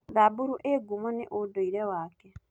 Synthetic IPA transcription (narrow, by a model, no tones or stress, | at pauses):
ðabuɾuʔeɡumonḛʔodoiɾewaːke